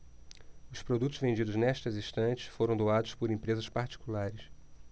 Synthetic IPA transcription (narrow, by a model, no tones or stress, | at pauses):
ʊspɾod̪ut̪ʊzvẽnd͡ʒid̪ʊznɛʃt̪ɐzĩst̪ɐ̃t͡ʃɪ̥sfoɾɐ̃w̃d̪oad̪ʊspʊɾẽmpɾezɐspaɾt͡ʃi̥kulaɾɪs